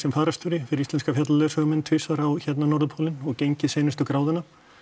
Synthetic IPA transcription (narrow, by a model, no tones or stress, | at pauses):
sɛmfaːɾast̪ʏɾɪfɪɾɪɾist̪ɛnskafjat̪lalœːsœɣʏmɛnt̪ʰvɪːsaɾawçɛt̪nanɔɾðʏpʰoːlɪnɔɣcejɲcɪseːjnɪst̪ʏkɾaːwðɪna